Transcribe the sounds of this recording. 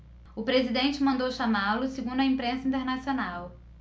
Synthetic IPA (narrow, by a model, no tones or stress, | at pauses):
ʊpɾezid̪ẽnt͡ʃɪmɐ̃nd̪owʃamalʊseɡũnd̪ʊɐĩmpɾẽsɐĩt̪eɾnasionaw